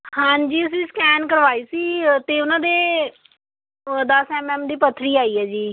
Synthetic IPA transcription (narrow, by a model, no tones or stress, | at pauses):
hãːɲd͡ʒiːəs̬ĩːskɛːnkəɾʋaːiːsiːt̪eːʊnãːd̪eː | d̪əsɛːmɛːmd̪iːpət̪ʰːɾiːaːiːɛːd͡ʒiː